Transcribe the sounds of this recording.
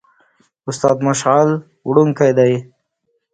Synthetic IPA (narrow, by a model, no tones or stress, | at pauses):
ʊst̪ɑːd̪mʊʃal | wɽuŋkajd̪aj